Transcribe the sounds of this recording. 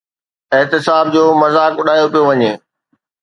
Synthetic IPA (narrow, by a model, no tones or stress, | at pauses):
ɪɦt̪ɪsaːb̚d͡ʑoːmɐzaːkʊɗʱaːjopijoʋɐɲeː